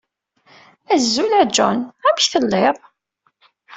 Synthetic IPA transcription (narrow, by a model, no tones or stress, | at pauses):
æzːulæd͡ʒɔ̰næmçθəlːeðˤ